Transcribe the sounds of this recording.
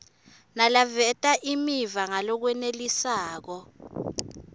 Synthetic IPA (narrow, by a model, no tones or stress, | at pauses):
nalavɛtʼaʔimivaŋalɔk̬wɛnelisaːk̬ɔ